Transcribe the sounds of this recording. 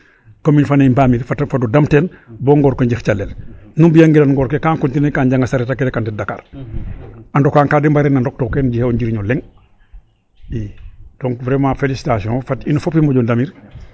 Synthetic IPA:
kominfanembamiɾfatfadudamtenboŋɡɔːɾkoɲɟixt͡ʃalːelnumbijaŋɡilanŋɡɔːɾkekaːŋkuntinekaɲɟaŋɡasaɾetakelekantɛdaka̰ːɾ | andokaŋkadimbaɾenːandɔk̚tokeːnɟihewɲɟiɾiɲolɛŋ | id̥ɔŋkvɾɛmafelisi̥tasiõfatinufopimoɟɔndamiːɾ

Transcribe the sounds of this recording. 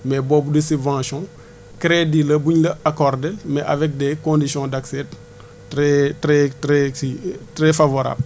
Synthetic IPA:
mɛbɔbudəsybvãːsjɔ̃ | kɾedilɐbuɲlɐakɔrdɛlmɛʔa̰vɛk̚dɛkõndisjɔ̃daksɛt | ɛtɾɛtɾɛtɾɛfavoɾa̰ːbl

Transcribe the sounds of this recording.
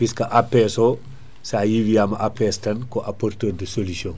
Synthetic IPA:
piskɐʔapɛːso | saːjiwijamɐʔapɛstɐnkoʔapoɾtoːndəsolisioŋ

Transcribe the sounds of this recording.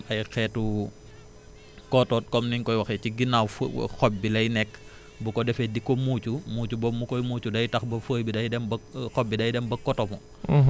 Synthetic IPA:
ɐjxɛːtu | kɔtɔt̚kɔmniɲkɔjwɐxɛciɡinawfxɔbːilɐjnɛkː | bukɔdɛfɛdikːɔmuːcumuːcubɔmːukɔjmuːcudɐjtɐxbɐfəːjbidɐjdɛmbɐxɔbːidɐjdɛmbɐkɔtɔmɔ

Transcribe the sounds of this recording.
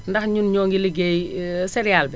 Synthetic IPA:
ndɐxɲunɲɔːŋɡiliɡɛːjsɛɾijaːlbɛ

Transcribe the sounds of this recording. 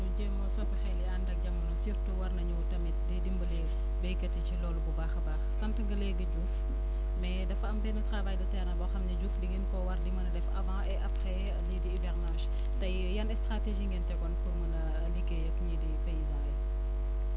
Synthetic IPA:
nuɟeːmɔsɔpixɛjliandɐk̚ɟɐmːɐnusirtuwɐrnɐɲutɐmit̚didimbəlɛː | bɛkɐticilɔːlububaːxɐbaːxsɐntɐŋɡɐlɛɡɐɟuːf | mɛdɐfɐmpɛnɐtɾavaːjdɐtɛɾnɐbɔxɐmnɐɟuːfdiɡinkɔwɐrdimɐnɐdɛfɐvãʔɛʔɐpχɛ | ɐlidiivɛrnaːʃ | tɐj | jɐnɛstɾateʒiːŋɡintɛɡɔnpuɾmɐnɐ | liɡekɲidipejizãɛ

